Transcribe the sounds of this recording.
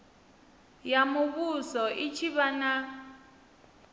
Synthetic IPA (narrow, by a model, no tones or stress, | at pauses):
jamuɓuzɔʔit͡ʃʰiɓana